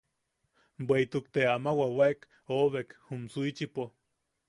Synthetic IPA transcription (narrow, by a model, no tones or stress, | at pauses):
bweit̪ukt̪eamawawek | oβekhumsuit͡ʃipo